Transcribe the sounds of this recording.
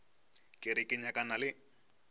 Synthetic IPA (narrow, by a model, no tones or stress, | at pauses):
kʼɪɾɪkʼɪɲakʼanalɪ